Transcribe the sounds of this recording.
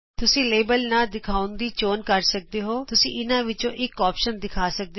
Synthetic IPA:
t̪ʊsĩːleːbəlnaːd̪ɪkʰaːʊnd̪iːt͡ʃoːnkəɾsək̚d̪eːɦoːt̪ʊsĩːʔɪnãːʋɪt͡ʃõːʔɪkɔːpʃənd̪ɪkʰaːsək̚d̪e

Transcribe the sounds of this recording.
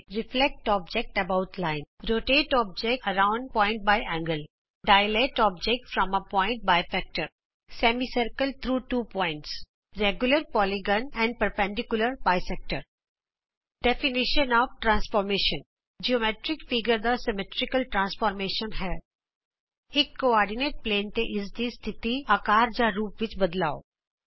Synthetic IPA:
ɾɪflɛk̚ʈɔːb̚d͡ʒɛk̚ʈəbaʊtʰlãɪ̃nɾoːʈeːʈɔːb̚d͡ʒɛk̚əɾãʊ̃ɳɖ̚pɔ̃ɪ̃ɳʈ̚baɪʔɛ̃ŋɡəl | ɖajleʈɔːb̚d͡ʒɛk̚ʈfɾɔ̃məpɔ̃ɪ̃ɳʈ̚baɪfɛk̚ʈəɾ | sɛmisəɾkəlt̪ʰɾuːʈuːpɔ̃ɪ̃ɳʈs | ɾɛɡjʊləɾpɔːlɪɡə̃nɛ̃ɳɖ̚pəɾpɛ̃ɳɖɪkjʊləɾbaːɪsɛk̚ʈəɾ | ɖɛfɪnɪʃənɔːʋʈɾãːnsfɔːɾmeːʃə̃n | d͡ʒiomeːʈɾɪkfɪɡəɾd̪asɪmɛʈɾɪkəlʈɾãːnsfɔːɾmeːʃənɦɛː | ɪkːoɔːɾɖɪneːʈ̚pleːnt̪eʔɪsd̪ist̪ʰɪt̪iakaːɾd͡ʒaɾuːpʋɪt͡ʃbɐd̪laːo̰

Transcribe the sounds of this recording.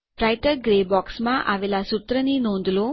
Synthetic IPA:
ɾajʈəɾɡɾebɔksmãʔaʋelasʊt̪ɾəninɔ̃nd̪lo

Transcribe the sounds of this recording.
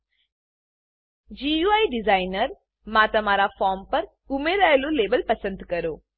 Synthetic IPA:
d͡ʒijuːaːiɖɪzaːɪnəɾ | mãːt̪ɐmaːɾafaːɾmpɐɾ | ʊmeɾajloleːbəlpɐsə̃nd̪kɐɾoː

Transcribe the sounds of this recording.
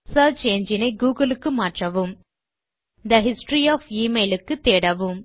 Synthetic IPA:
sɐlt͡ʃeːnd͡ʒɪnɐɪɡuːɡɐlɯkːɯmaːʈrɐʋɯm | d̪ɐɦɪsʈɾiɔːfiːmeːlɯkːɯt̪ːeːɽɐʋɯm

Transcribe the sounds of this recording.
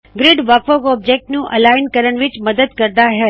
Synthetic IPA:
ɡɾɪɖʋakfoɡɔb̚d͡ʒek̚ʈnũʔəlaɪnkəɾəɳʋɪt͡ʃməd̪əd̪kəɾd̪aɦɛ

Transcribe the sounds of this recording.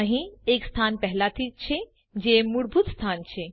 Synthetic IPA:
aɦĩeːkst̪ʰaːnpɛɦlat̪ʰit͡ʃʰe | d͡ʒemuɽbʱut̪st̪ʰaːnt͡ʃʰe

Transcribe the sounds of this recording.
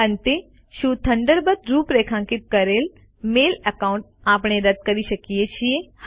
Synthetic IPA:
ənt̪e | ʃuːt̪ʰə̃ɳɖəɾbət̪ɾuːpɾeːkʰãːŋkit̪̚kɐɾeːl | meːləkaũɳʈ̚aːpɳ̃eɾɐd̪̚kəɾiʃəkijet͡ɕʰije

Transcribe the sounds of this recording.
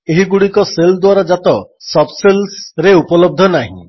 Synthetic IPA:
eɦiɡuɽikɔseld̪waɾɔd͡ʒat̪ɔsɔbselsɾeupɔlɔb̚d̪ʱɔnaɦḭ̃

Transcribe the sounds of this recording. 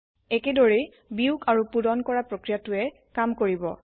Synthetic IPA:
ɛkɛdoɹe | biukʰaɹupudɔnkɔɹapɹokɹijatʊɛ | kamkoɹibɔ

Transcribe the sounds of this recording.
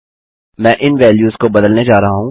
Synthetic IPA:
mɛ̃ːʔɪnʋɛːljuːzkobɐd̪əlned͡ʒaːɾɐɦaɦũː

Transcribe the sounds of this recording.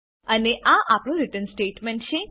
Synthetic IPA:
əneʔaʔapɽũɾɪʈənsʈeːʈmeɳʈt͡ʃʰe

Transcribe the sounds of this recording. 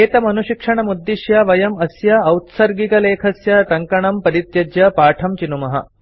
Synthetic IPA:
eːt̪ɐmɐnuɕikʂɐɳɐmud̪ːiʃjɐʋɐjɐmɐsjɐːwt̪sɐɾɡikɐleːkʰɐsjɐt̪ɐŋkɐɳɐmpɐɾit̪jɐd͡ʒjɐpaːʈʰɐmt͡ʃinumɐɦɐ̰

